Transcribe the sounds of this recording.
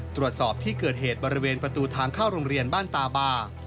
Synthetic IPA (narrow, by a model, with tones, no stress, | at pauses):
t̪ɾu˨˩ət̪̚sɔː˨˩p̚t̪ʰiː˥˩kɤː˨˩t̪̚ɦeː˨˩t̪̚bɔː˧ɾi˦weː˧npɾa˧t̪uː˧t̪ʰaː˧ŋkʰaː˥˩wɾoː˧ŋɾi˧ənbaː˥˩nt̪aː˧baː˧˩